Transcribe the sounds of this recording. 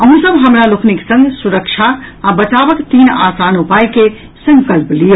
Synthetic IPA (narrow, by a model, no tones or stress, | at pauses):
əɦũsəbɦəmɾalokʰniksə̃ŋɡsuɾəkt͡ʃʰaːbət͡ʃabəkt̪iːna̰ːsanupajke | sə̃ŋkəlplijo